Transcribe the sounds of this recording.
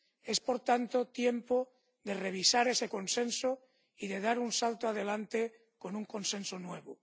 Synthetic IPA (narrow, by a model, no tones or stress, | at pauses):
e̞spo̞ɾt̪ant̪ot̪jempo | ðere̞β̞isaɾe̞seko̞nsẽ̞nso | iðe̞ð̞aɾunsalt̪oað̞e̞lant̪e | ko̞nuŋko̞nsẽ̞nsonwe̞β̞o